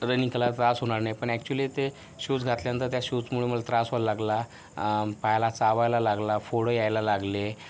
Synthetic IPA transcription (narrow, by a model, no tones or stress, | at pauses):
ɾənikəlat̪ɾasɦoɽ̃aɾnajpəɳɛk̚t͡ɕulit̪e | ɕut͡sɡʱat̪ljanənt̪əɾt̪jaɕut͡smuɭeməlat̪ɾasʋalaɡla | pajlat͡saʋajlalaɡlafoɽojajlalaɡle